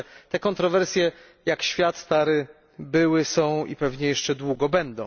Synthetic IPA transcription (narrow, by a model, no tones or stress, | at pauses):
t̪ɛkɔnt̪ɾɔvɛɾsʲjɛ | jakɕfʲjat̪st̪aɾɘ | bɘwɘsɔ̃w̃ḭpɛvɲɛjɛʂt͡ʂɛd̪wuɡɔbɛnd̪ɔ̃w̃